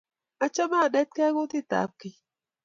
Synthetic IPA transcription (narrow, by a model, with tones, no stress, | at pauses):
a˦t͡ʃɔ˦ma˦˨ɗɛ˦t̪̚kɛ˦a˦ɣʊ˦t̪ɪ˦t̪a̰˨˦p̚kɪ˨